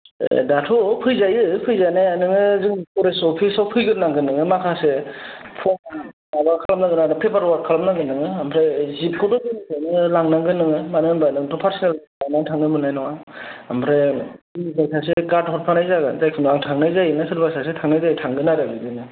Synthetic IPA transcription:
ḛdatʰɔpʰɯjzajɯpʰɯjzanajanɯŋɯzɯŋkʰɔɾesɔpʰisawpʰɯjɡɯɾnaŋɡɯnɯŋɯmakʰasepʰɔm | abakʰalamnaŋɡɯnaɾɯpʰebaɾwaɾ̚kʰalamnaŋɡɯnɯŋɯampʰɾezip̚kʰudɔɡɯnisanɯlaŋnaŋɡɯnɯŋɯmanɯnbanɯŋtʰɔpʰaɾsinal | anaŋtʰaŋnɯbɯnajnɔŋaampʰɾeiisasʰas̬eɡatɦʰɔt̚pʰanajzaɡɯ̰zajkʰɯnaŋtʰaŋnajzajɯnɯsʰɯɾbasas̬etʰaŋnajzatʰaŋɡɯnaɾɯɡɯdɯnɯ

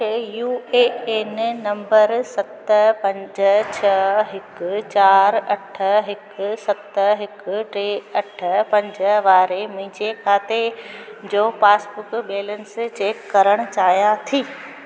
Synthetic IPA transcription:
ejuːeːeːnɪnɐ̃mbəɾsɐt̪əpɐ̃ɲd͡ʑət͡ɕʰɐɦɪkt͡ɕaːɾɐʈʰəɦɪksɐt̪ɦɪkʈeːɐʈʰəpɐ̃ɲd͡ʑəʋaːɾemĩːd͡ʑekʰaːt̪ed͡ʑoːpaːsbʊkɓeːlənɪst͡ɕeːkːɐɾəɽ̃t͡ɕaːjat̪ʰiː

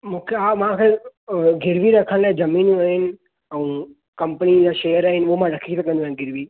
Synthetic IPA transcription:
mũːkʰeamãkʰeɡʱɪɾʋiɾɐkʰəɽ̃laẽzɐmĩːnaːɦɪnɪ̆ | ɛ̃ː | kɐmpənid͡ʑaːʃeːjəɾaːɦɪnɪ̆uɦomãɾɐkʰit̪ekɐ̃nd̪aːɦɪ̃nɡɪɾʋi

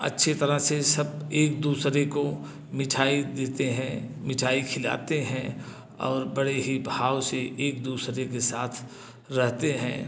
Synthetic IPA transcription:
ɐ̰tːʃʰet̪ɐɾəɦsesɐbeːk̚d̪uːsɾeko | mɪʈʰaːid̪eːt̪eɦɛ̃mɪʈʰaːikʰɪla̰ːt̪eɦɛ̃ | ɔ̰ːɾbɐɽeɦibʱaːwseʔeːk̚d̪uːsɾekesaːt̪ʰ | ɾɛɦt̪eɦɛ̃ː

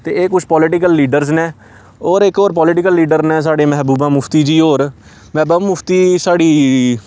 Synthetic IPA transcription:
t̪eːeːkʊt͡ʃʰpɔːlɪʈɪkəlːiːɖəɾznɛ̃ː | oːɾɪkoːɾpɔːlɪʈɪkəlːiːɖəɾnɛ̃ːs̬aːɖeːmɛɦbuːbãːmʊpʰt̪iːd͡ʒiːoːɾ | mɛːbaːmʊpʰt̪iːsaːɽiː

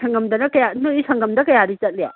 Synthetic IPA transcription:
sɐŋɡɐmdɐnɐkɐjamuisɐŋɡɐmdɐkɐjadit͡ʃɐt̚lija̰

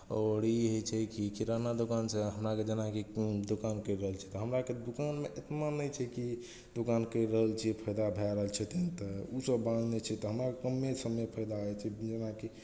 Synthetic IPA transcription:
ɔɾiɦot͡ʃʰɛkikiɾanad̪ukanseɦəmɾaked͡ʒenakid̪okankəiɾəɦəlt͡ʃʰɛ̥t̪ɔɦəmɾaked̪ukanmeʔet̪nanəjt͡ʃʰɛki | d̪ukankəjɾəɦəlt͡ʃʰipʰəjd̪abʱɛɾəɦəlt͡ʃʰɛt̪ent̪ɔusəbːãd͡ʒʱnet͡ʃʰɛt̪ɔɦəmɾakkəmːesəməpʰəjd̪aɦɔjt͡ʃʰɛd͡ʒenaki

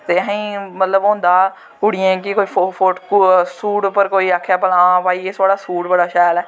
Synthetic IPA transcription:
t̪eːɦĩːmət̪ləbõːnd̪aː | ʊɽɪẽːkɪkoːiːofoʈksuːʈpəɾkoːiːaːkʰːjaːpəlãːpaːiːeːt̪aːɽaːsuːʈbəɽaːʃɛːlɛː

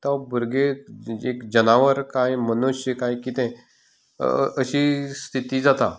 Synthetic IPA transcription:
t̪ãbuɾɡeekd͡ʑənaʋəɾkajmənuɕjəkajkit̪ɛ̃ | əɕiːst̪ʰit̪iːd͡zat̪a

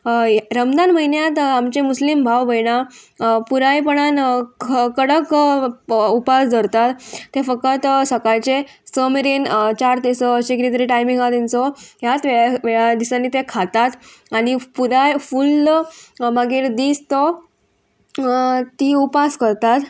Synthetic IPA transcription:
ɾəmd̪anməɦinjat̪amt͡ɕemuslimbʱawbəjɽapuɾajpəɽ̃an | kəɽək | upasd͡z̪ʱəɾt̪at̪ːefək̚ət̪səkajt͡ɕe | səmɾiːnt͡ɕaɾt̪esɔəɕekɾit̪əɾiʈajmiŋɡat̪int͡sɔɦjat̪ʋeɭʋeɭad̪isãnːit̪ekʰat̪at̪aɽipuɾajful | məɡiːɾd̪iːst̪ɔ | t̪iːupaskəɾt̪at̪

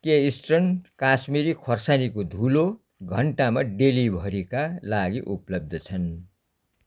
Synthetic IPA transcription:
keisʈrʌnkasmiɾikʰʌrsanikod̪ʱulo | ɡʱʌɳʈamaɖelibʱʌɾikalaɡiʔuplʌb̚d̪ʱʌt͡sʰʌn

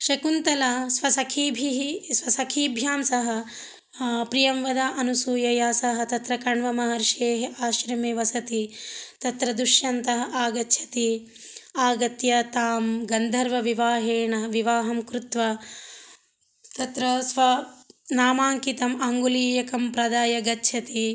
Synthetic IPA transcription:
ʃɐkunt̪ɐlaːsʋɐsɐkʰiːbʱiɦisʋɐsɐkʰiːbʱjaːmsɐɦɐ̆ | pɾijɐmʋɐd̪aːʔɐnusuːjɐjaːsɐɦɐ̆t̪ɐt̪ɾɐkɐɳʋɐmɐɦɐɾʃeːɦeʔaːʃɾɐmeːʋɐsɐt̪it̪ɐt̪ɾɐd̪uʃjɐnt̪ɐɦɐʔaːɡɐt̪ʰɐ̥t̪i | aːɡɐt̪jɐt̪aːmɡɐnd̪ʱɐɾʋɐʋiʋaːɦeːɳɐʋiʋaːɦɐmkɾut̪ʋɐ | t̪ɐt̪ɾɐsʋɐnaːmaːŋkit̪ɐmɐŋɡuliːjɐkɐmpɾɐd̪aːjɐɡɐtːʃʰɐt̪i

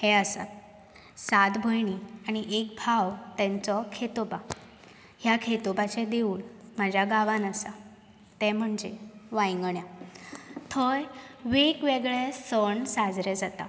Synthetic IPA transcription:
hɛəsa̰t̪ | sat̪bʱəjɳiaɽ̃iʔekbʱaʋt̪ɛ̃nt͡sɔkʰet̪oba | ɦjakʰet̪obat͡ɕɛ̃d̪euːnmad͡ʑʱjaɡaʋanəsa | t̪ɛ̃m̤əɳd͡zeʋajŋɡɳja | t̪ʰəjʋekʋeɡɭɛsəɳsad͡zɾed͡zat̪a̰

